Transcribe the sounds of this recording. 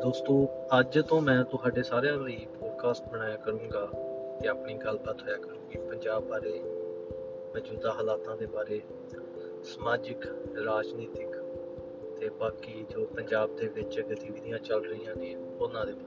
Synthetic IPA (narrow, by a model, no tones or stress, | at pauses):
d̪oːst̪õːəd͡ʒt̪õːmɛ̃ːt̪ʊɦaːɖeːsaːɾejãːliːpɔːɖkʰaːsʈbəɽ̃aːjaːkəɾũːŋɡaːt̪eːaːpɳiːɡəlbət̪ɦoːjaːkəɾũːɡiːpəɲd͡ʒaːbːaːɾeː | məd͡ʒuːd̪aːɦəːlaːt̪ãːd̪eːbaːɾeː | səmaːd͡ʒɪkɾaːd͡ʒniːt̪ɪk | t̪eːbaːkiːd͡ʒoːpəɲd͡ʒaːb̚d̪eːʋɪt͡ʃɡət̪iːʋid̪ɪjãːt͡ʃəlɾəĩːãːɡĩː | onãːd̪eːbaːɾe